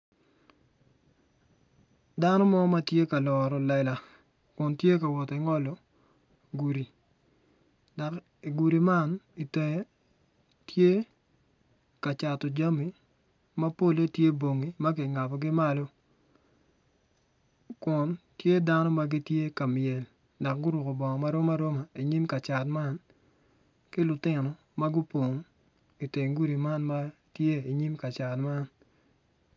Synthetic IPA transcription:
da˦nɔ˦mɔ˦ma˦tje˦ka˨lɔ˨ɾɔ˨lɛ˨la˨ | kʊ˨ntje˦ka˨wɔ˨tɛ˨ŋɔ˦lɔ˨ | ɡu˨ɾi˨ | da˨k | i˨ɡu˨ɾi˨ma˦˨ni˨tɛ˨˦ | tʰje˦ | ka˨t͡ʃa˨tɔ˨d͡ʒa˦mi˨ | ma˦po˦le˦tje˦bo˨ŋi˨ma˦kɪ˨ŋa˨pɔ˨ɡɪ˦ma˦lo˦ | kʊ˨ntje˦da˦nɔ˦ma˦ɡɪ˦tje˦ka˨mjɛ˨l | da˨kɡʊ˦ɾu˨ko˨bɔ˨ŋɔ˨ma˦ɾo˦ma˦ɾo˦ma˨i˨ɲi˦mka˨t͡ʃa˨tma˦n | kɪ˦lʊ˨tɪ˦nɔ˨ | ma˦ɡʊ˦po˨ŋ˦ | i˨te˨ŋɡu˦ɾi˨ma˦nma˦tje˦i˨ɲi˦mka˨t͡ʃa˨tma˦n

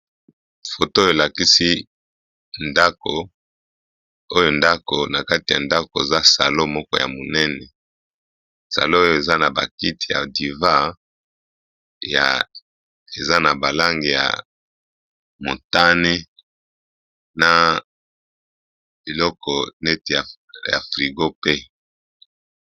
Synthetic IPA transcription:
fo˨to˦je˨la˨ki˦si˦ | nda˦ko˨ | o˦jo˨nda˦ko˨na˨ka˦ti˨ja˨nda˦ko˨e˨za˦sa˨lo˦mɔ˦kɔ˦ja̰˨mo˨nɛ˦nɛ˨ | sa̰˨lo˦o˦jo˨e˨za˦na˨ba̰˨ki˦ti˨ja̰˨di˨va˦˨ | ja̰˨ | e˨za˦na˨ba˨la˦ŋɡi˨ja̰˨ | mo˨ta˦ne˦ | na˨ | bi˨lɔ˦kɔ˨nɛ˦ti˨ja˨ | ja̰˨fʁi˨ɡo˦pe˦

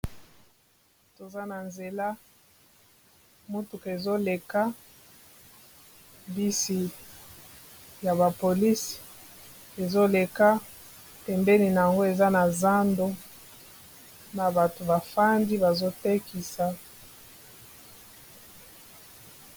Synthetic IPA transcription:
to˨za˦na˨nze˨la˦ | mu˦tu˨kːzo˦le˨ka˦ | bi˦si˨ | ja˨ba˨po˨li˦s | e˨zo˦le˨ka˦ | tɛ˨mbe˦ni˨na˨ja˨ŋɡo˦e˨za˦na˨za˦ndo˦ | na˨ba˨to˨ba˨fa˦ndi˦ba˨zo˦te˦ki˨sa˨

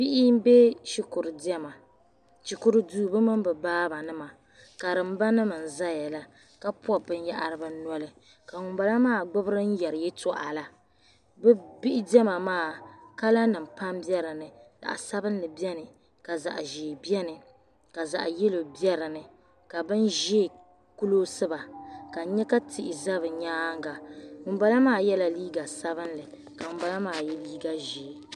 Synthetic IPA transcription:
bi˦ʔɪ˦be˦ʃi˦kʊ˨ɾɨ˨di˦ɛ˦ma˨ | ʃi˨ku˦ɾɨ˦duː˦bɨ˦mɨ˦mbɨ˨baː˦ba˨nɨ˦ma˨ | ka˨ɾɨ˨m˦ba˦nɨ˦mɨ˨n̩˨za˦ja˨la˦ | ka˦pɔ˦bɨ˦n˦ja˦ʔa˨ɾɨ˦ba˦n˦ɔ˦lɨ˨ | ka˨ŋʊ˨ba˨la˦maː˦˨ɡ͡bʊ˦bɨ˦ɾɨ˦n̩˦jɛ˨ɾɨ˨jɛ˦tɔ˦ʔa˨la˦ | bɛ˦bi˦ʔɪ˦dɛ˦ma˨maː˦˨ka˦la˦nɨ˨m̩pa˦mbjɛ˦ɾɨ˨nɨ˨la̰˨ʔa̰˨sa˦bɨ˦n˦lɨ˨bɛ˦nɨ˨ | ka˨za̰˨ʔʒe˨bɛ˦nɨ˨ | ka˨za̰˨ʔje˦lo˨bɛ˦ɾɨ˨nɨ˨ | ka˨bɨ˦nʒeː˦˨ | ku˦lo˦sɨ˦ba˨ka˨˦ɲɛ˦ka˦tɪ˨ʔɪ˨za˦βɨ˨ɲaː˦ŋ˦ɡa˨ŋʊ˨mba˦la˦maː˦˨jɛ˦la˦liː˦ɡa˨sa˦βɨ˦n˦lɨ˨ | ka˨ŋʊ˨ba˨la˦maː˦˨jɛ˦liː˦ɡa˦ʒeː˨˦

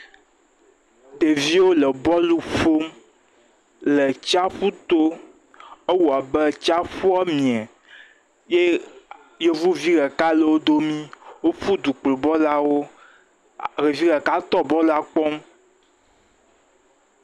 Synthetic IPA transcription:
d̪e˨vi˦wo˦lə˨bɔ˦lu˦ɸo˦m | lə˨t͡ʃa˦ɸu˦t̪o˦ | e˦wu˨a˨bɛ˦t͡ʃa˦ɸu˦a˦mĩ˨ɛ˨ | je˦ | je˦vu˦vi˦ɣɛ˨ka˦lə˨wo˦d̪o˦mĩ˦wo˦ɸu˦d̪u˨k͡plo˨bɔ˦la˦wo˦ | ɣe˨vi˦ɣɛ˨ka˦t̪ɔ˦bɔ˦la˦k͡pɔ˦m

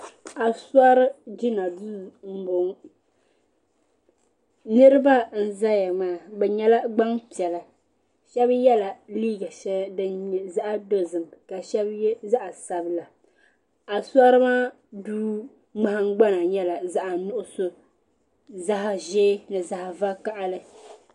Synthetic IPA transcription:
a˨sa˦ɾɨ˦d͡ʒi˦na˨˦m̩˦bo˨ŋ | nɨ˦ɾɨ˦ba˦n̩˦za˦ja˨maː˦˨bɛ˨ɲɛ˦la˦ɡ͡ba˦ŋpi˨ɛ˨la˨ | ʃɛ˦bjɛ˦la˨liː˦ɡa˨ʃɛ˦dɨ˦ɲ˨za˦ʔa˦do˦zɨ˨mka˨ʃɛ˦bza˦ʔa˨sa˨bla˨ | a˨sa˦ɾɨ˦maː˦ | duː˦ | ŋ͡ma˨ha˦ŋ˦ɡ͡ba˦na˨ɲɛ˦la˨za˦ʔa˨nʊ˦ʔʊ˦sʊ˦ | za˦ɦa˨ʒeː˦nɨ˨za˨ha˨va˦ka˦ʔa˦lɨ˦

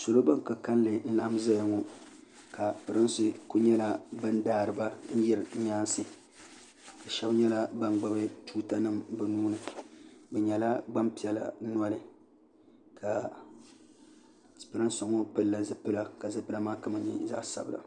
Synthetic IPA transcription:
so˨lo˦ba˦ŋka˨ka˦n˦lɨ˨n̩˦la˦ʔa˦m˦za˦ja˨ŋo˨ | ka˨pɨ˨ɾɨ˦nsɨ˦ku˦ɲɛ˦la˨bɨ˦n˦daː˦ɾɨ˨ba˦n̩˦jɛ˦ɾɨ˨˦ɲ˦aː˦nsɨ˦ | dɨ˨ʃɛ˦bɲɛ˦la˨ba˦n˦ɡ͡ba˦bɨ˦tuː˦ta˦nɨ˦mbɨ˨nuː˦nɨ˨bɛ˨ɲɛ˨la˦ɡ͡ba˦mpi˨ɛ˨la̰˨˦n˦a˦lɨ˨ | ka˨ | pɨ˨ɾɨ˦n˦so˨ŋo˦pɨ˦lːa˨zɨ˦pɨ˦la˦ka˨zɨ˦pɨ˦la˦maː˦ka˦mɨ˨nḭ˦za̰˦ʔsa̰˨bɨ˨la̰˨

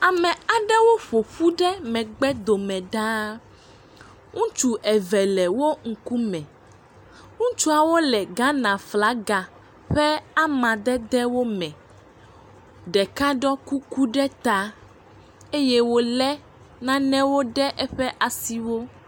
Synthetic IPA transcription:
a˨mɛ̃˨a˨ɖɛ˦wo˦ɸo˨ɸu˦ɖɛ˦mɛ̃˨ɡ͡bɛ˦d̪o˨mɛ̃˨ɖa˦ | ŋũ˦t͡ʃu˦ʔɛ˨vɛ˨lɛ˨wo˦ŋ̩˨ku˦mɛ̃˨ | ŋũ˦t͡ʃu˦a˨wo˦lɛ˨ɡã˦nã˨fla˨˦ɡa˨ | ɸɛ˦a˦mã˨d̪ɛ˦d̪ɛ˦wo˦mɛ̃˨ | ɖɛ˨ka˦ɖɔ˦ku˦ku˦ɖɛ˦t̪a˦ | e˦jɛ˦wo˦lɛ˦ | nã˦nɛ̃˦wo˦ɖɛ˦ʔɛ˦ɸɛ˦ʔa˨si˦wo˦

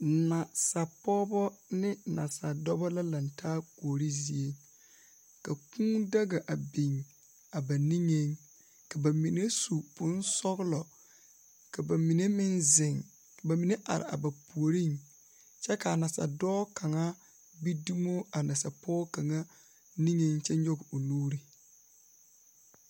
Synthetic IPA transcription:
nã˨sa˨pɔ˦bɔ˦nɪ̃˦nã˨sa˨dɔ˦bɔ˦la˦lã˨n˨tʰaː˦ku˨o˨ɾi˦zi˦e˦ | ka˨kũ˦da˦ɡa˨ʔa˨bi˨ŋ | a˨ba˨nĩ˦ŋẽ˦ŋ | ka˨ba˨mĩ˨ne˦su˨pʊ̃˦n̩˦sɔ˦ɡlɔ˨ | ka˨ba˨mi˨ne˦mɪ˦nzɪ˨ŋ | ka˨ba˨mi˨ne˦ʔa̰˨ɾɪ̰˨a̰˨ba˨pu˨o˨ɾi˦˨ŋ | t͡ʃɛ˦ka˨a˨na˨sa̰˨dɔː˦ka˨ŋa˦ | bi˦du˦m˦o˦a˨na˨sa̰˨pɔː˦ka˨ŋa˦ | ni˦ŋe˦ŋt͡ʃɛ˦ɲ˦ɲɔ˦ɡɪ˨o˨luː˦ɾi˦

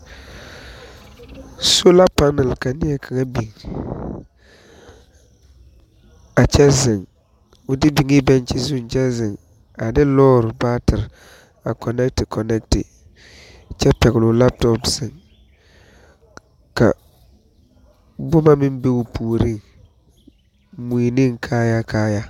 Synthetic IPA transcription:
so˦la˦pa˦nɛ˨lka˨nɪ˦ɛ˦kʰa˨ŋa˦bi˨ŋ | a˨t͡ʃɛ˦zɪ˨ŋ | ʊ˨dɪ˦bi˨ŋɪ˦bɛ˦nt͡ʃɪ˦zʊ˦n˨t͡ʃɛ˦zɪ˨ŋ | a˨dɪ˦lɔː˦ɾʊ˨baː˦tɪ˨ɾ | a˨kʰɔ˨nɛ˦k̚tɪ˨kʰɔ˨nɛ˦k̚tɪ̰˨ | t͡ʃɛ˦pɛ˨ɣɪ˨lʊ˨la˦p̚tɔ˦pz̥ɪ˨ŋ | ka̰˨ | bʊ˦ma˦mɪ˦m˦be˦ʊ˨pʰuː˨ɾi˦˨ŋ | mi˨nɪ˦ŋ˨kʰaː˦ja˦kʰaː˦ja˦

